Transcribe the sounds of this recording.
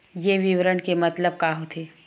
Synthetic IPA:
jeʋiʋəɾəɳkemɐt̪ləb̚kaːɦot̪ʰeː

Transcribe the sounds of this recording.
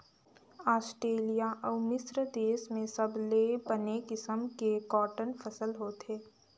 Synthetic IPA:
aːsʈɾeːlijaʔɔːmɪsɾəd̪eːsmẽsɐblebənekɪsəmkekɔːʈənfʰəsəlɦoːt̪eː

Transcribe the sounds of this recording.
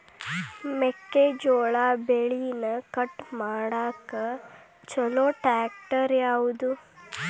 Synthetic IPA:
mekːed͡ʒoːɭaːbeɭinɐkɐʈmaːɽaːkɐ | t͡ʃɐloːʈaːk̚ʈɐɾjaːwud̪u

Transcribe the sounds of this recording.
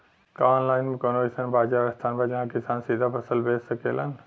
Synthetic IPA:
kɔnlaːɪnmekonoisənbaːd͡ʒaɾəst̪ʰaːnbad͡ʒɐɦãkisansid̪ʱapʰəsəlbessəkelan

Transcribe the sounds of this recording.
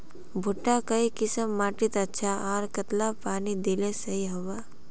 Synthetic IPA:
bʱuʈːakəikɪsəmːaːʈit̪ɐtːʃʰaaːɾkət̪lapaːnid̪ilesɐɦiɦəʋa

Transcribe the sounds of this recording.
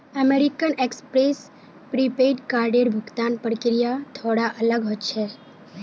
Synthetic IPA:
əmeɾikənekspɾes | pɾipeʈkaɾɖeɾbʱʊkt̪anpəɾkɪɾijat̪ʰoɽaʔələɡɦot̪ːt͡ʃʰɛ

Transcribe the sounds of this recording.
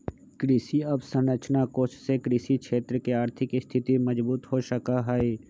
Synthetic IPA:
kɾɪsiɐbsə̃nɾət͡ʃnakoːt͡ʃsekɾisikʃeːt̪ɾəkeaːɾt̪ʰɪkist̪ʰɪt̪imɐd͡ʒbuːt̪ɦoʃəkaɦɛeː

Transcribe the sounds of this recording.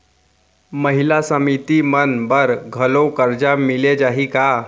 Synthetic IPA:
məɦilasəmit̪imənbəɾɡʱəlokəɾd͡ʒamiled͡ʒaɦika

